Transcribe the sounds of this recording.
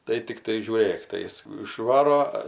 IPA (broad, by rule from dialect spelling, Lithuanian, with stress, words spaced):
tɐɪ tʲɪkˈtɐɪ ʒʲuːˈrʲeːk tɐɪ ˈjɪs ɪʃˈʋɑːroː